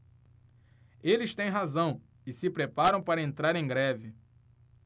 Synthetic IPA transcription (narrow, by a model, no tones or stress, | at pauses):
elɪst̪ẽj̃ɦazɐ̃w̃ | ɪsɪpɾepaɾɐ̃w̃paɾɐẽnt̪ɾaɾẽj̃ɡɾɛvɪ